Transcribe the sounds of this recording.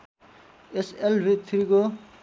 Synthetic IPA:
eselbit̪ʰɾiko

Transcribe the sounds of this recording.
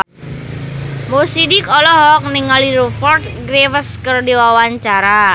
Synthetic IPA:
mosidikɔlɔɦɔk̚nɪŋaliɾofɔrt̪̚ɡɾewəskərdiwawaɲt͡ʃaɾa

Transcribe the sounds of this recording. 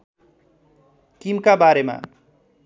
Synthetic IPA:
kimkabaɾema̰

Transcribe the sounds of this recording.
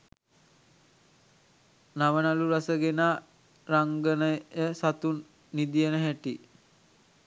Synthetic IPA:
naʋənaluɾasəɡenaː | ɾaŋɡənəjəsat̪unː | id̪ijənəɦæʈi

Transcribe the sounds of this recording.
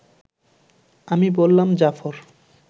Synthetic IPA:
amibolːamd͡ʑafoɾ

